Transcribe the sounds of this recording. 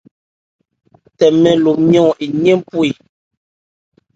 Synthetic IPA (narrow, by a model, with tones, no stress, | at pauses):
tɛ˨mɛ˨lo˨mjɔ̃˦˨i˨ɲe˦m˦pu˦i˨